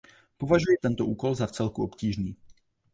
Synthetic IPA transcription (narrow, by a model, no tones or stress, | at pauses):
po̞vaʒujɛt̪ɛnt̪oʔuːko̞lzaft͡sɛlkuo̞pciːʒniː